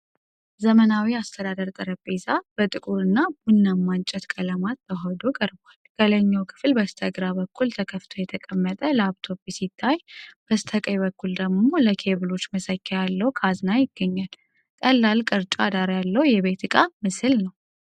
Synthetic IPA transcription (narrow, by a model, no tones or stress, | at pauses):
zəmənawiast̪ʰəd̪ad̪əɾt̪ʼəɾəbezab̥ət̪ʼɨkʼuɾɨnːabunːamːant͡ʃʼɛt̪kʼələmat̪ːəɦɔd̪okʼəɾbalkʼələɲːawkʰɨ̥flbəst̪ʰəɡɾabəkʰːult̪ʰəkʰəft̪ʰojɛt̪ʰəkʼəmːət̪ʼələaβt̪ʰo̞pːisit̪ʰːajb̥əst̪ʰəkʼəjbəkːuld̪əɡmo̞ləkʰe̞βɨlo̞t͡ʃːməsəkʰːɛjalːəhukʰaznajɪɡ̥ːəɲːal | kʼəlːalkʼɨɾt͡ʃʼad̪aɾjalːəwjɛβe̞t̪ɨkʼamɨsɨlnəw